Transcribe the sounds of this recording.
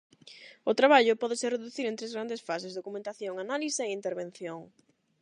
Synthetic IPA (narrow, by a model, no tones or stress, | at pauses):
ʊt̪ɾaβaʎʊpɔðɪsereðuθiɾẽnt̪ɾezɣɾand̪esfasezðokumẽnt̪aθjoŋanalisaeint̪eɾβẽn̟θjoŋ